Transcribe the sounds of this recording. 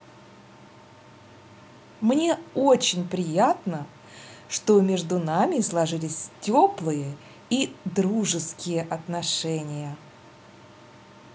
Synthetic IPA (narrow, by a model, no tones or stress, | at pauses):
mnʲe̞ot͡ɕɪnʲpɾʲɪjat̪nə | ʂt̪o̞mʲeʐd̪ʊnamʲɪslˠɐʐɨlʲɪsʲtʲo̞plˠɨjə | id̪ɾuʐɨskʲɪjəʔɐt̪nɐʂɛnʲɪjə